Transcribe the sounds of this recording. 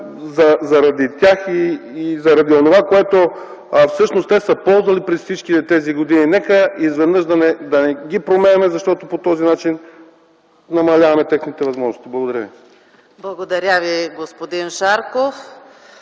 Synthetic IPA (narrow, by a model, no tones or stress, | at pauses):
zɐzɐɾɐd̪it̪ʲjaxiːzɐɾɐd̪ionovakoɛt̪o | fsɤʃnost̪t̪ɛsəpɔlˠzvɐlipɾɛsfsit͡ʃkit̪ɛt̪ɛziɡod̪ininɛkəizvɛd̪nɤʃd̪ɐnɛd̪ɐnɛɡipɾomɛnɛmɛzɐʃt̪ɔt̪opot̪ɔzinat͡ʃin | nɐmɐlʲavɐmɛt̪ɛxnit̪ɛvɐzmɔʒnost̪iblˠɐɡod̪ɐɾəvi | blˠɐɡod̪ɐɾʲaviɡospod̪inʃaɾkof